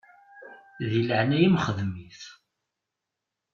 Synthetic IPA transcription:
ðiləʕnæjimχəðmiθ

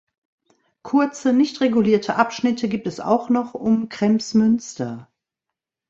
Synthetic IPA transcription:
kʰʊɐt͡sənɪçtʁeɡuliːɐtʰəʔapʃnɪtʰəɡiːp̚tɛsa̰ʊxnɔχʊmkʁ̥ɛmsmʏnstɐ

